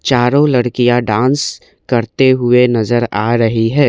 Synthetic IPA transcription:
t͡ʃaːɾõlɐɽkijaɖãːns | kɐɾt̪eɦʊenɐzəɾaːɾɐɦiɦɛː

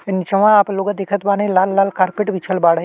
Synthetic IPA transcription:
nit͡ʃəʋãaːploːɡãd̪eːkʰət̪baːnẽlaːlːaːlkaːɾpeːʈbit͡ʃʰəlbaːɽ

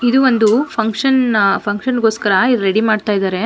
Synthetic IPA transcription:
id̪uʋond̪upʰɐŋkʂɐnpʰɐŋkʂɐnɡoːskɐɾɐiɾeɽimaːɖt̪aːjd̪aːɾe̞

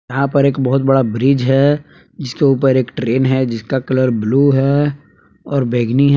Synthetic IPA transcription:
ɐɦãpɐɾeːkbɐɦʊt̪bɐɽabɾid͡ʒɦɛ | d͡ʒɪskeuːp̬əɾeːkʈɾeːnɦɛd͡ʒɪskakɐləɾbluːɦɛ | ɔːɾbʱeːɡniɦ

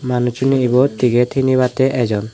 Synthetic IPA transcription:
manut͡ʃuniʔibɔt̪iɡɛt̪ʰinibat̪ɛʔɛd͡ʒɔn

